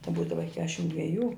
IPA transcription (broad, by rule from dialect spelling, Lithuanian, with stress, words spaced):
tɐɪ ˈbuːdɐʋɐ ɪ ˈkʲæːʃʲɪm dʲʋʲɛˈjuː